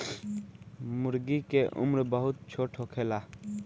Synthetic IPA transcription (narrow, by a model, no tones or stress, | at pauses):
mʊɾɡikeʔṵmɾbəɦʊt̪̚t͡ʃʰoʈʰokʰeːla